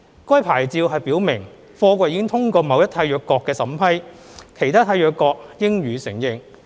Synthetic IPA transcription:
kɔː˥jpʰaː˨˩jt͡siː˧wɦɐ˨jpiː˨˥wmɪ˨˩ŋ | fɔː˧kʷɔ˧jiː˧˥kɪ˥ŋt̪ʰʊ˥ŋkɔː˧mɐ˨˧wjɐ˥t̪ʰaː˧jœː˨˧kːɔː˧kːɛː˧sɐ˨˥mpʰɐ˥jkʰe˨˩jt̪ʰaː˥t̪ʰaː˧jœː˨˧kːɔː˧k̚jɪ˥ŋɥyː˨˧sɪ˨˩ŋjɪ˨ŋ

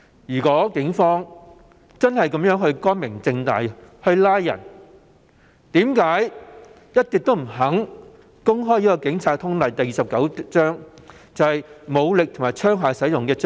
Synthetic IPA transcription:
jyː˨˩kɔː˨˥kɪ˨˥ŋfɔː˥ŋ | t͡sɐ˥nhɐ˨jkɐ˨˦˥mjœː˨˥ŋhɵ˧ɥkɔː˥nmɪ˨˩ŋt͡sɪ˧ŋt̪a̰ː˨jhɵ˧ɥlaː˥jːɐ̰˨˩n | t̪iː˨˥mkaː˨˥j | jɐ˥t̚t̪i˨k̚t̪o˥wm̩˨˩ɦɐ˨˥ŋ | kʊ˥ŋɦɔː˥jiː˦˥kɔː˧kɪ˨˥ŋt͡sʰaː˨˧t̪ʰʊ˥ŋlɐ˨jt̪ɐ˨jiː˨sɐ˨p̚kɐ˨˥wt͡ʃœː˥ŋ | t͡sɐ˨˧whɐ˨jmo˨˧wlɪ˨k̚t̪ʰʊ˨˩maː˨˩jt͡ʃʰœː˥ŋɦaː˨˧jsɐ˨˥jʊ˨ŋkɛː˧t͡s

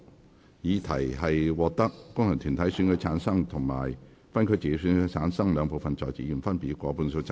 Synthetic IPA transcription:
jiː˨˧t̪ʰɐ˨˩jɦɐ˨jwɔː˨˧k̚t̪ɐ˥k̚ːʊ˥ŋhɐ˨˩ŋt̪ʰy˨˩nt̪ʰɐ˨˥jsyː˨˥nkʰɵ˨˧˥t͡sʰaː˨˥nsɐ˥ŋt̪ʰʊ˨˩ŋma̰ː˨˩j | fɐ˥nkʰɵ˨˧ɥt͡siː˨˧e˨˥syː˨˧˥nkʰɵ˧˥t͡sʰaː˨˥nsɐ˥ŋlœː˨˧ŋpo˨wfɐ˨nt͡sɔː˨jt͡sḭː˨˥i˨˩nfɐ˥npiː˨˥kʷɔː˨˧puː˧nso˧t͡sa˧

